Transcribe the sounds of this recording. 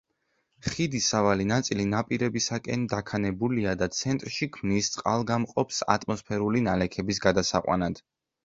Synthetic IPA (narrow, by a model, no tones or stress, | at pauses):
χid̪isavalinat̪sʼilinapʼiɾɛbisakʼɛnd̪akʰanɛbuliad̪at̪sʰɛnt̪ʼɾʃikʰmnist̪sʼqʼalˠɡamqʼɔpsa̰t̪ʼmɔspʰɛɾulinalɛkʰɛbis̬ɡad̪asaqʼwa̰nad̪̥